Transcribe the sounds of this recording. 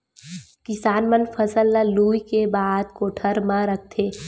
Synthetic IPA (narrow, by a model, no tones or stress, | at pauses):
kɪsaːnmənfʰəsəlːaluːikebaːd̪̚koːʈʰəɾmãɾək̚ʰt̪ʰeː